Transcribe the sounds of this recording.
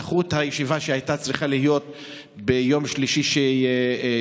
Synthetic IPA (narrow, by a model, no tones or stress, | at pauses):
χut̪hajeʃivaʃehajt̪at͡sʁiχalijo̞t̪ | bejo̞mʃliʃiʃe